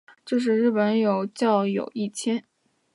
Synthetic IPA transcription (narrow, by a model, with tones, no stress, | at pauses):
ʈ͡ʂo˥˧ʂ̬ɻ̩˥˧ɻ̩˥˩pə˧˥njo˨˩ʊt͡ɕjɑ˥˩ʊjo̰˨˩ʊi˥˩t͡ɕʰjɛ˥n